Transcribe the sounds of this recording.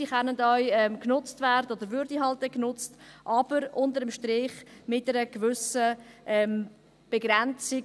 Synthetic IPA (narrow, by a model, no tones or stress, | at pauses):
iχɛnədœʏɛmknʊt͡stvɛːɾdəod̪əɾvʏɾdiɦɑlt̚ːɛknʊt͡stʔɑb̥əɾʔʊntəɾəmʃtɾɪːχmɪtɛɾəɡ̥vʏsəʔɛm | b̥eɡɾɛnt͡sɪ